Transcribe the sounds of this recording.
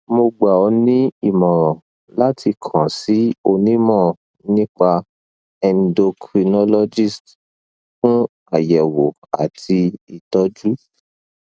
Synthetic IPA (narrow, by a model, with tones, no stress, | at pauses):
mo˧ɡ͡ba˨ɔ˧nĩ˦i˦˨mɔ̃˨ | la˦tʰi˧kʰã˨si˨˦o˧nĩ˦mɔ̃˦˨ | nĩ˦k͡pa˧ | ɛ̃˨ndo˧kʰɾi˧nɔ˦lɔ˧d͡ʒi˦˨st | fũ˦ | a˨jɛ˨wo˨ | a̰˨tʰi˧i˨tɔ˨˦d͡ʒu˦